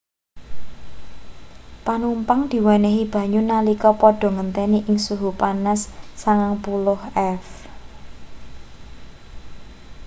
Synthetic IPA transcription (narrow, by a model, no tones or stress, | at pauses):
panumpaŋd̪̥i̤wɛnɛɦib̥ä̤ɲunalikɔpɔɖ̥ɔ̤ŋənt̪ɛniʔɪŋsuɦupanasːaŋaŋpulʊhɛf